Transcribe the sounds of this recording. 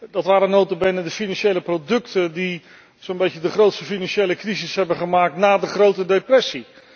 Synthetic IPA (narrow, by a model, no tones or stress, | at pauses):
dɑtʋaːɾənowtəbɪnədəfinɑnʃejləprowdɵktədi | sonbejcədəχrowtstəfinɑnʃejləkrizɪsɦɛbəχəmaːk̚tnaːdəχrowtədejprɛsi